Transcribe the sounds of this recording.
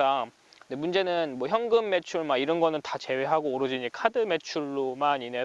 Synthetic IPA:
a | emund͡ʑe̞nɯnmwʌçjʌŋɡɯmːe̞t͡ɕʰuɭmaiɾʌnɡʌnɯntat͡ɕe̞we̞ɦaɡoːɾɯd͡ʑiɲikʰadɯme̞t͡ɕʰuɭːomanine̞

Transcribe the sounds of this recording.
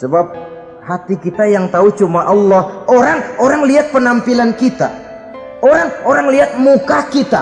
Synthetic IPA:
səbap̚ | hat̪ikit̪ajaŋt̪aut͡ʃumaʔɑlːɔhoɾaŋoɾaŋliat̪̚pənampilankit̪a̰ | oɾaŋoɾaŋliat̪̚mukakit̪a̰

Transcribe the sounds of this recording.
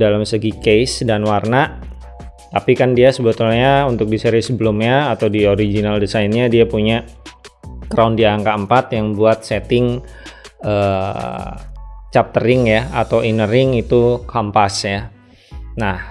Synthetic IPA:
dalamsəɡikejsdanwarna | t̪apikandiasəbət̪ulɲaunt̪ʊk̚diseɾisəbəlʊmɲaːt̪awdioɾid͡ʒinaldisainɲadiapuɲa | kɾaundiaaŋkaəmpat̪jaŋbuat̪̚set̪ɪŋ | əː | t͡ʃap̚t̪əɾɪŋjaat̪awinəɾɪŋit̪ukʰampasja | nah

